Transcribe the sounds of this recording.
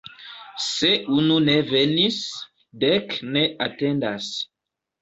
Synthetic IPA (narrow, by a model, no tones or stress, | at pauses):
seununevenis | dɛkneatẽnd̪as